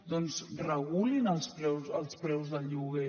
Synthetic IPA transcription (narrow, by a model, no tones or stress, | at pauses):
d̪ɔnzrəɣulinəlˠspɾɛwzəlˠspɾɛwzðəʎuɣe